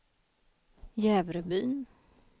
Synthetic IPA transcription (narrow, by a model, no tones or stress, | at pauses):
jɛːvɾəbyːn